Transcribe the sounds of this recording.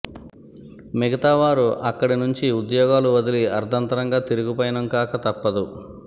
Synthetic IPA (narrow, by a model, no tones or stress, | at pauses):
miɡɐt̪aːʋaːɾuʔɐkːɐɽinuɲt͡ʃiud̪jɔːɡaːluʋɐd̪iliɐɾd̪ʱɐnt̪ɐɾɐŋɡaːt̪iɾuɡipɔjɐnɐmkaːkɐt̪ɐpːɐd̪u